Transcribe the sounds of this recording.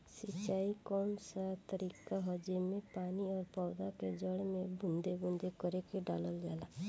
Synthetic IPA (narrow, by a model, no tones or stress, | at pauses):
sit͡ʃaikɔnsat̪ɔɾikaɦɔd͡ʒemepaniɔɾpɔwd̪aked͡ʒɔɽemebund̪ebund̪ʱekɔɾekeɖa̰lɔld͡ʒala